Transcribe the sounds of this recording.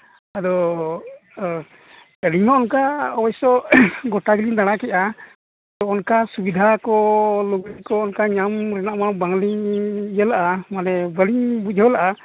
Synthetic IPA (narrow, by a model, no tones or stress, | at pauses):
ad̪ɔ | ɛliɲmaɔnkaɔbɔjsɔɡɔʈaɡliɲd̪aɽ̃akɛʔa | d̪ɔɔnkasubid̪ʱakɔluɡɾikɔːnkaɲamɾɛnaʔmabaŋliŋijəlaʔamanɛbəliɲbud͡ʒɦɔlaʔa